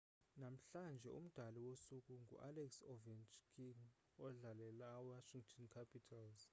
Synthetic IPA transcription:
nam̩ɬand͡ʒʱɛ̰ṵm̩d̥ʱaliwosukʼuŋɡʱṵʔalɛksovint͡ʃkʰiŋ | ɔɮalɛlaːwaʃiŋɡtʰɔnkʰapʰʼitʰalz

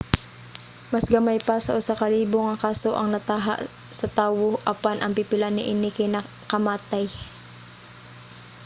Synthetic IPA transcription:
mɐsɡɐmajpasɐ̰ʔʊsakɐliːboŋɐkaːsoʔɐŋnɐt̪aːɦa̰ʔ | sɐt̪aːwoʔɐpanʔɐŋpɪpɪlanɪʔɪnɪkɐnɐ | kɐmaːt̪aj

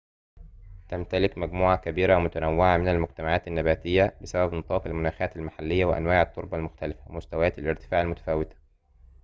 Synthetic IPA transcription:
t̪amt̪ælɪkmæɡmuːʕakæbiːɾamʊt̪ænæwːɪʕamɪnalmʊɡ̚t̪æmaʕaːt̪anːabæːt̪ɪjːæbɪsæbæbnɨt̪ˤɑːqalmʊnaːxæːt̪almaħalːɪjːawɪʔæ̰nwaːʕɪt̪ˤːoɾˤbɑlmʊxt̪ælɪfamʊst̪awæjæːt̪alʔɪɾt̪ɪ̥faːʕalmʊt̪æ̥fæːwɪt̪æ̥

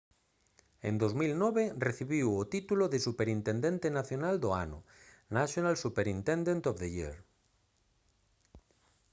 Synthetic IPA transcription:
ḛ̃nd̪ozmilnɔβereθiβiwot̪it̪uloðesupeɾint̪ẽnd̪ẽnt̪enaθjonald̪oa̰nʊ̰ | naʃjonalsupeɾint̪ẽnd̪ẽnt̪ofðejḭɾ

